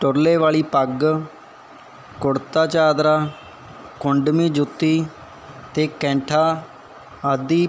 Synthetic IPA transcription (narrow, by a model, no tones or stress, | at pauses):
ʈʊɾleːʋaːliːpəɡ | kʊɽt̪aːt͡ʃaːd̪ɾaː | kʊɳɖmĩːd͡ʒʊt̪ːiː | t̪eːkɛ̃ːɳʈʰaː | əd̪iː